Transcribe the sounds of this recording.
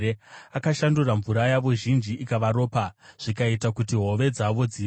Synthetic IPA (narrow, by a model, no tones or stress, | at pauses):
eakaʃanduraɱvuɾajaʋo̞ʒind͡ʒiʔikaʋaɾo̞ːpaʐ̥ikaitakutiɦo̞ʋe̞d͡zaʋo̞d͡zi